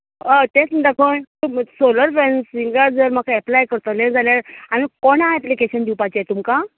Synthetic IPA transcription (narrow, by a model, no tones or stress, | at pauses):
ət̪et͡sd̪akʰonusoləɾfɾensiŋɡaɾd͡zəɾm̤akʰaɛplajkəɾt̪leɾd͡zʱaljaɾaɽ̃ikoɳãɛplikeɕənd̪iwpat͡ɕiet̪umka